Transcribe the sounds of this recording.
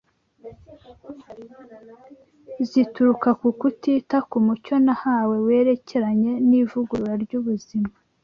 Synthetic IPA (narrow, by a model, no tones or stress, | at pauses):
zituɾukakukutitakumuco̞nahaːwe̞we̞ɾe̞ce̞ɾaɲe̞nivuɡuɾɾaɾɟuβuzima